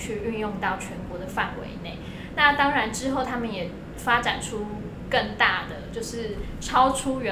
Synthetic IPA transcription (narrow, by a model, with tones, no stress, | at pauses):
t͡ɕʰy˥˧y˥˧njʊ˥˧ŋt̪ɑ˥˩ʊt͡ɕʰɥɛ˧˦˥nkwɔ˧˥d̪ə˨fa˥˨nwḛ˧˦ɪne˥˩ɪ | na˥˩˨t̪ɑ˥ŋɻa˧˦nʈ͡ʂɻ̩˥xo˥˩ʊt̪ʰa˥mə˨njɛ˨˩ | fa˥ʈ͡ʂa̰˨˩nʈ͡ʂʰu˦˥ | kə˥˩ŋt̪a˥˩d̪ə˩t͡ɕjo˥˧ʊʂɻ̩˥˩ | ʈ͡ʂʰɑ˥ʊʈ͡ʂʰu˥ɥɛ˧˦